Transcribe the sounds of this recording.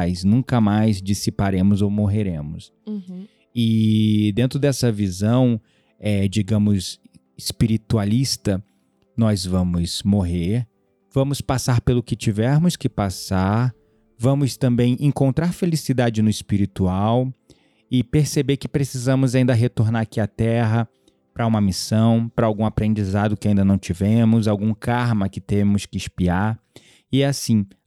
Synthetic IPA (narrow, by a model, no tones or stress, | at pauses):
jznũkɐmajzd͡ʒisipaɾẽmʊzowmoɦeɾẽmʊs | ɪd̪ẽnt̪ɾʊd̪ɛsɐvizɐ̃w̃ | ɛd͡ʒiɡɐ̃mʊz | ɪspiɾit̪ualist̪ɐ | nɔzvɐ̃mʊzmoɦeɾ | vɐ̃mʊspasaɾpelʊkɪt͡ʃivɛɾmʊskɪpasaɾ | vɐ̃mʊst̪ɐ̃mbẽj̃ʔẽŋkõnt̪ɾaɾfelisid̪ad͡ʒɪnʊispiɾit̪uaw | ɪpeɾsebeɾkɪpɾesizɐ̃mʊzaĩnd̪ɐɦet̪oɾnaɾakiat̪ɛɦɐ | pɾɐũmɐmisɐ̃w̃pɾɐawɡũapɾẽnd͡ʒizad̪ʊkɪaĩnd̪ɐnɐ̃w̃t͡ʃivẽmʊzawɡũkaɾmɐkɪt̪ẽmʊskɪɪspiaɾ | ɪɛasĩ